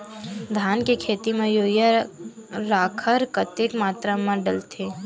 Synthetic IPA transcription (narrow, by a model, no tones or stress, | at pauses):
d̪ʱaːnkekʰeːt̪imẽjoːja | ɾaːkʰəɾkət̪ɪʈmaːt̪ɾamãɖəlt̪ʰeː